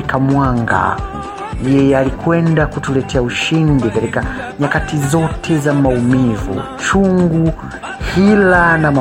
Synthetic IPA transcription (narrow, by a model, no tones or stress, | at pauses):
kamwaŋɡa̰ | jɛjɛalikwɛndakutulɛtʰɛauʃindikatikaɲakatizɔtʰɛzamaumivṵ | t͡ʃuŋɡu | hilanama